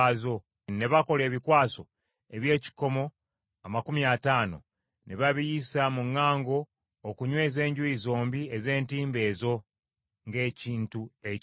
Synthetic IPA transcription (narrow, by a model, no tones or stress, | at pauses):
zo̞ | ne̞βako̞le̞ːβikwaːso̞ | e̞βje̞ːci̥ko̞mo̞ | amakumiataːno̞̰ | neβaβijisamuŋːaːŋɡo̞ː | kuɲwe̞ːze̞ːɲɟuizo̞ːmbie̞ze̞ːntiːmbe̞ːzo̞ | ŋɡe̞ːciːntue